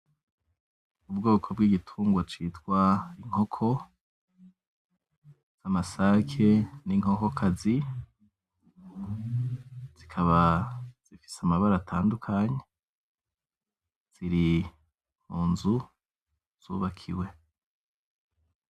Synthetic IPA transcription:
ub̚ɡo̞ːkʰo̞bɡiɡitʰuːŋɡwat͡ʃiːtwaiŋ̥ho̞kʰo̞ | z̥amasakʰe̞niŋ̥ho̞ko̞kʰazi | z̥ikʰaβaz̥ifi̥samaβaɾatʰaːndukʰaɲe | z̥iɾi | m̥uːnzu | z̥ṵːβakʰiwe̞

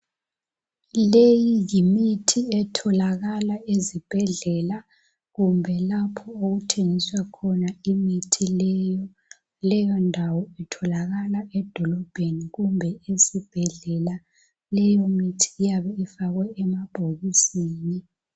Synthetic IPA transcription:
lejijimitʰiɛtʰɔlaɣalaezib̥ʱɛɮɛla | ɣumbʱɛlapʰɔoɣutʰeŋiswakʰɔnaimitʰiljɔ | lɛjɔndʱawɔɛtʰɔlaɣalaʔɛd̥ʱɔlɔb̥ʱeniɣumbʱɛesib̥ʱɛɮɛla | lɛjomitʰi̥ːjaβɛifaɣwɛɛmab̥ʱoɣisiːni

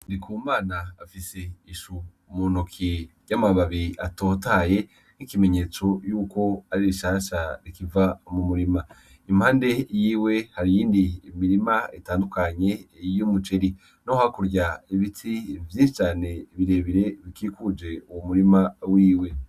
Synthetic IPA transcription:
ndikʰuːmaːnaːfise̞iʃu | munokʰiɟamaβaβiiʔato̞ːtaje̞ | nikime̞ɲe̞ːt͡so̞juːko̞aɾiɾiʃaːʃaɾikivamumuɾima | imhaːnde̞jiːwe̞haɾijiːndimiɾimaitaːndukaɲe̞jomut͡ʃeɾi | nohakuɾɟaiβitʰivjiːnʃit͡ʃaːne̞βiɾe̞ːβiɾe̞βikikud͡ʒe̞uwomuɾimawiːwe̞

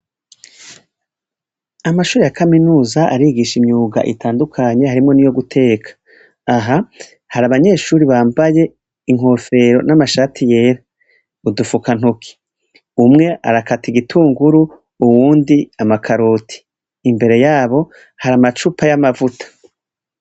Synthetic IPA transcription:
amaʃuːɾejakaminuːzaʔa̰ɾiːɡiʃimɲuːɡa̰ʔḭtʰaːndukʰaɲe̞haɾimŋo̞nijo̞ɡutʰe̞ːkʰḁː | ɦa | haɾaβaɲe̞ʃuːɾiβaːmbaje̞ | iŋ̥o̞ːfe̞ɾo̞̰namaʃaːtʰije̞ːɾa | udufukan̥ukʰi̥ | umŋe̞ʔa̰ɾakatiɡitʰuːŋɡuɾu | uwuːndiamakʰaɾoːtʰi̥ː | mbe̞ɾe̞jaːβo̞ | haɾamat͡ʃupʰajamavutʰḁ

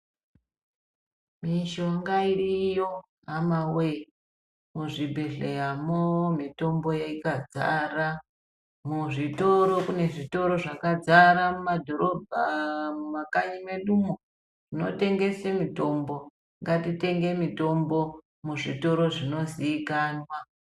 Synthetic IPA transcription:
miʃoŋɡairijo̞ | ɦamawe | muʐibʱeɮejamomito̞mbo̞jaikad͡za̰ra | muʐito̞ɾo̞kune̞ʐito̞ɾo̞ʐakad͡zaɾamumadʱo̞ɾobʱamakaɲimeɗumo | ʐ̥ino̰te̞ŋɡe̞semito̞mbo̞ | ŋɡatite̞ŋɡe̞mito̞mbo̞ | muʐito̞ɾo̞ʐino̞ziːkaːnwa

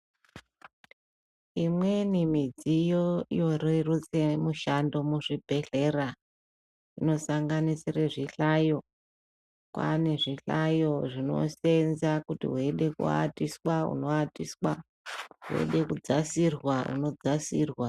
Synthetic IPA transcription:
imwe̞nimid͡zijojo̞roirut͡se̞muʃando̞muʐibʱe̞ɬe̞ra | ino̞saŋɡanisireʐiɬajo̞ | kwa̰ne̞ʐiɬajo̞ʐino̞̰se̞nzakutḭɦwe̞ɗe̞kṵa̰tiswaṵno̞atiswa | ɦuḛɗe̞kud͡zasirwaṵno̞d͡zasiːrwa

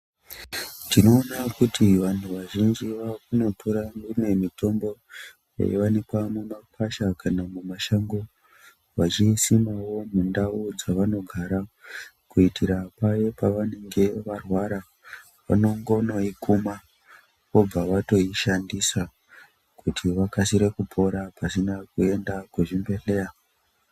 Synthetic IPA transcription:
tino̞ːnakutiʋantʰuʋaʒind͡ʒiʋakuno̞tʰoɾandimwe̞mito̞mbo̞ | ja̰jḛʋanikwamumakʰaʃakanamumaʃaŋɡo | ʋat͡ʃisimawo̞mundaud͡zaʋano̞ɡʱaɾa | kuitʰiɾapajepaʋane̞ŋɡe̞ʋarwaɾa | ʋa̰no̞ŋɡo̞noikuma | ʋo̞b͡vaʋato̞iʃandisa | kutʰiʋakasiɾekupʰo̞ɾapasinakue̞ndakuʐimbe̞ɬe̞ja

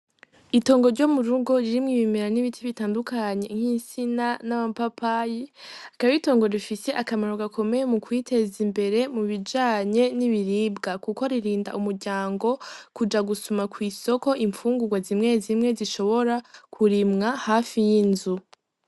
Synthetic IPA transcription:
ito̞ːŋɡo̞ɾɟo̞ːmuɾuɡo̞ɾiɾimŋiβimeɾaniβitʰiβitaːndukaɲe̞̰ŋ̥hinsinanaβapapajiakaβito̞ːŋɡo̞ɾifise̞ʔakamaɾoɡakʰo̞me̞jemukwiːtʰe̞zimbe̞ɾe̞muβid͡ʒaːɲe̞niβiɾiːbɡakuko̞ɾiɾiːnda̰ʔumuɾɟaːŋɡo̞kud͡ʒaɡusumakwiːso̞ko̞ʔiɱfuːŋɡuɡwazimŋe̞zimŋe̞ziʃo̞βo̞ɾakʰuɾimŋahafijinzu

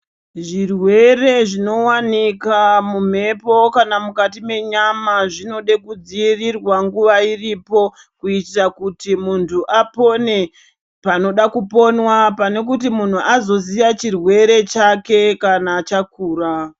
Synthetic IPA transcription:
ʐirwe̞re̞ʐino̞wanikamum̤e̞po̞kanamukatime̞ɲamaʐino̞ɗekud͡ziːrirwaŋɡuʋairipo̞ | kuitakutimuntʰuʔapo̞ne̞ | pano̞ɗakupo̞nwapane̞kutimun̤uʔazo̞ziʋat͡ʃirwe̞ɾe̞t͡ʃake̞kanat͡ʃakuːra

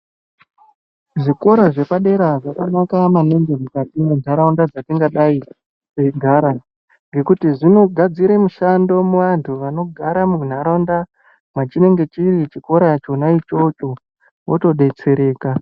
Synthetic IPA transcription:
ʐiko̞ɾaʐe̞paɗe̞ɾaʐakanakamaneŋɡemukatimun̤aɾaundad͡zatiŋɡaɗai | t͡seiɡʱaɾa | ŋɡe̞kutiʐino̞ɡʱad͡ziɾemuʃando̞muʋantʰuʋano̞ɡʱaɾamun̤aɾaunda | mat͡ʃine̞ŋɡe̞t͡ʃirit͡ʃiko̞ɾat͡ʃo̞nait͡ʃo̞t͡ʃo̞ | woto̞ɗe̞t͡se̞ɾe̞ːka

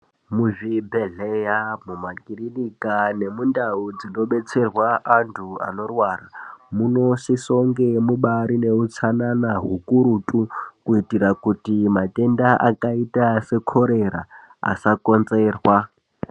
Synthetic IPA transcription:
muvibʱeɮejamumakirinikane̞mundaud͡zino̞ɓet͡sʰerwaʔantʰua̰no̞rwaramunoʃisoŋɡemuɓaɾineut͡sʰananaɦukuɾutʼukuitiɾakutimatendaʔakaitasekʰoɾeɾa̰ | a̰sakond͡zeːrwa

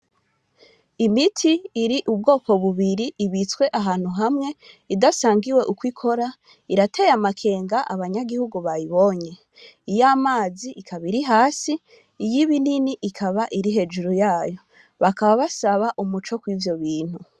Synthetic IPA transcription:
imitʰiːɾiʔub̚ɡo̞ːko̞βuβiɾiʔiβit͡swe̞ʔaɦaːn̥huɦamŋe̞ | idasaːŋɡiwe̞ʔukwikʰo̞ɾa | iɾatʰe̞jamakʰe̞ːŋɡaʔaβaɲaɡihuɡuβajiβo̞ɲe̞ | ijaːmaːziʔikʰaβiɾiɦaːsi | ijiβininiʔikʰaβaʔiɾiɦe̞d͡ʒuɾujaːjo̞ | βakaβaβasaβaʔumut͡ʃo̞kwivjo̞βiːnhu

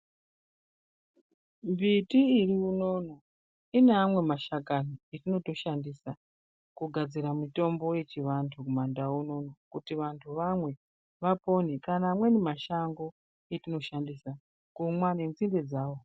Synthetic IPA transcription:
mbitiːriuno̞no̞ | ineamwe̞maʃakanietino̞to̞ʃandisa | kuɡʱad͡ziɾamito̞mbo̞je̞t͡ʃiʋantʰukumandauno̞no̞kutiʋantʰuʋamwe̞ | ʋapo̞nikanaːmwe̞nemaʃaŋɡo̞ | etino̞ʃandisa | kumwanenzinde̞d͡zaːwo̞

